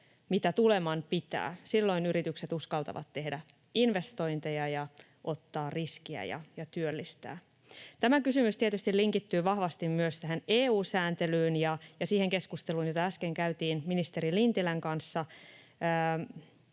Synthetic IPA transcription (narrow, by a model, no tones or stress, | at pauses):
mit̪æt̪ule̞mɑnpit̪æ̰ːsilːo̞inyɾit̪ykset̪uskɑlt̪ɑ̰ʋɑ̰t̪ːe̞hdæ | inʋe̞st̪o̞jnt̪ejɑjɑ | ʔo̞t̪ːɑːrriskiæ̰jɑ̰jɑt̪yølːist̪æ̰ː | t̪æmækysymyst̪iet̪yst̪iliŋkit̪ːyːʋɑhʋɑst̪immyøst̪æɦeneːuːsæːnt̪e̞lyːnjɑjɑsiːhe̞ŋke̞skust̪eluːnjot̪ɑæske̞ŋkæyt̪iːnminist̪e̞ɾilint̪ilæŋkɑnsːɑ | əː